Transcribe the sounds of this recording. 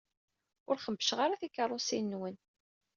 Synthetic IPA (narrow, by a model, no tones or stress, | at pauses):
ʊɾχəmbːə̥ʃʁaɾaθikːərˤːosinːwən